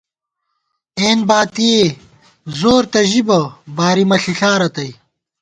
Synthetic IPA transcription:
eːnbaːt̪ije | zoːɾt̪ɐʑibɐbaːɾimɐɬiɬaːɾɐt̪ɐj

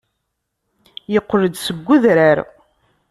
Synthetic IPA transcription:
jəqːləd̪səɡʷːuðɾaɾ

